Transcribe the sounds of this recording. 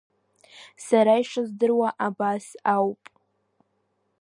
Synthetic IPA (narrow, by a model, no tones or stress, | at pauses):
saɾaiʂazdɨrwaʔabasawpʼ